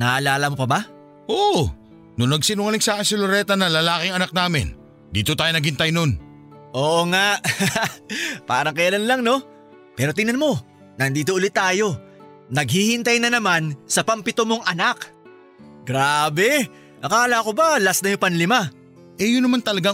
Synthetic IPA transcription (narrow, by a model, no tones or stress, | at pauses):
nɐʔɐlaːlɐmopɐba | ʔoʔ | nʊnɐɡ̚sinoŋɐlɪŋsaːkɪnsɐloɾɛt̪ɐnɐlɐlaːkɪŋɐnak̚naːmɪ̰n | d̪ḭːt̪ot̪aːjonɐɡ̚hɪnt̪ɐjnon | ʔo̞ːʔoŋaʔ | pa̰ːɾɐŋkɐjɐlanlɐŋno̞ | pɛːɾo̞t̪̬ɪnɐnmo̞ | nɐnd̪iːt̪oʔʊlɪt̪ːaːjo̞ | nɐɡ̚hihɪnt̪ɐjnɐnɐmansɐpɐmpɪt̪omoŋʔɐnak | ɡɾaːbɛ | ʔɐkaːlakobalasnɐjopɐnlɪma | ʔɛjʊnːɐmant̪ɐlɐɡa